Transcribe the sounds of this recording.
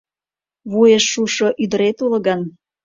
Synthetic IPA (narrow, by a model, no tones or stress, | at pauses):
βujeʃːuʃoʔyd̪əɾet̪ulə̆ɣɑn